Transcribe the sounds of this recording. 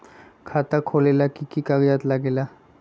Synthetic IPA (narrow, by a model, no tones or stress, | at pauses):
kʰat̪akʰolelakikiːkaɡjat̪laɡela